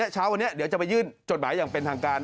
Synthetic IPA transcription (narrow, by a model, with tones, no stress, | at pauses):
ɐt͡ɕʰaː˦˥wa˧nːi˦˥ɐd̪i˩˦wt͡ɕa˨˩pa˧jɯː˥˩nt͡ɕo˨˩t̪̚maː˩˦jaː˨˩ŋpe˧nt̪ʰaː˧ŋkaː˧n